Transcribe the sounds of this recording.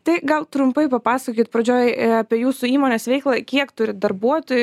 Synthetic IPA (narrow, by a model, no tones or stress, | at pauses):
t̪ɐɪɡɐlˠt̪ɾʊmpɐɪpɐpɑːsɐkʲiːt̪̚pɾɐd͡ʒʲoːjɐpʲiɛjuːsʊiːmoːnʲeːsʋʲɛɪklˠɐkʲiɛkt̪ʊɾʲɪd̪ɐrbuɔt̪oːjʊ